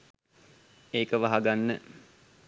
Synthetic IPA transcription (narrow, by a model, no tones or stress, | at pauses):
eːkəʋaɦaɡanːə